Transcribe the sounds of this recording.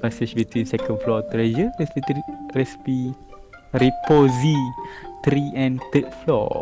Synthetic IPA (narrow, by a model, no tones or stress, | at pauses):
ɛsɪt͡ʃbit̪wĩnsɛkə̃nflɔt̪ɾed͡ʒəɹɛsiɹɛsi̥pi | ɾipozit̪ɾiɛ̃nt̪ət̚flɔ̰